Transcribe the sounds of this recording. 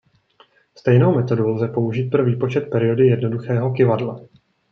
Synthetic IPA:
st̪ɛjno̞wmɛt̪o̞dulzɛpo̞uʒiːt̪̚pɾoviːpo̞t͡ʃɛt̪̚pɛɾɪo̞dɪjɛdno̞duxɛːɦo̞kɪvadla

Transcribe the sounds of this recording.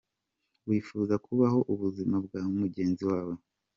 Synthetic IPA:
wiːfuːzakʰuβaɦo̞ʔuβuzimabɡaːumuɟe̞ːnziwaːwo

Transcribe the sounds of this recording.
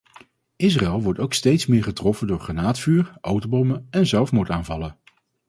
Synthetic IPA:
ʔɪs̬raɛlˠʋɔɹtowkstejtsmɪːɹχətrɔfəndʊːɹχanaːtfyːɹʔowtobɔməɛnzɛlˠfmutaːnvɑlən

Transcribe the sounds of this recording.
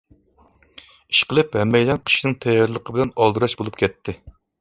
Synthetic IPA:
i̥ʃqəlˠɨphɛmːɛjd̪ɛnqʰə̥ʃnɨŋt̪ʰɛjːɑɾlˠəqʰəbɪlɛnɑlˠd̪uɾɑʃbolˠup̚kʲɛt̪ʰːɪ

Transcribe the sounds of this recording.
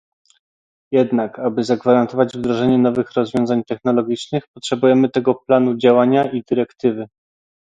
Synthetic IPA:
jɛd̪nakabɘzaɡvaɾant̪ɔvad͡ʑvd̪ɾɔʐɛɲɛn̪ɔvɘxɾɔzvʲɔ̃zaɲt̪ɛxn̪ɔlɔɡʲit͡ʂnɘxpɔtʂɛbujɛmɘt̪ɛɡɔplanud͡ʑawaɲaid̪ɘɾɛkt̪ɘvɘ

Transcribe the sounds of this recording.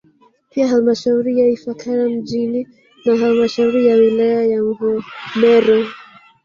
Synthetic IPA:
piaɦalmaʃauɾijaifakʰaɾam̩ʄini | naɦalmaʃauɾijawilajajaŋvɔmɛɾɔ

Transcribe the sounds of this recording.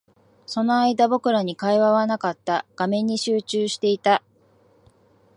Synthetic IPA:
so̞no̞aid̪abo̞kɯ̟ɾaɲ̟ikaiβaβ̞anakat̪ːaɡ̥amẽ̞ɲ̟ːiɕɨːt͡ɕɨːɕi̥t̪e̞it̪a

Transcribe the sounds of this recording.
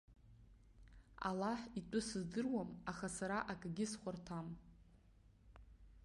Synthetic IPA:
a̰laħitʼʊsɨzdɨrwamaχasaɾaʔakʼɡʲɪsχʷartʰam

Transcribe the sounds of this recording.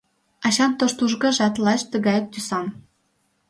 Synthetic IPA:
ɑɕɑnt̪oʃt̪uʒɡɤ̆ʒɑt̪lˠɑʃt̪ə̆ɣɑjɤk̚t̪ysɑm

